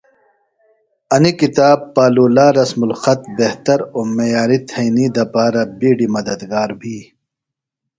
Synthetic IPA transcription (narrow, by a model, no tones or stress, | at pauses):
ɐnikit̪aːbːaːluːlaːɾɐsmulxɐt̪beht̪ɐɾoːmejaːɾit̪ʰɐjnid̪ɐpaːɾɐbiːɖimɐd̪ɐd̪ɡaːɾbʱiː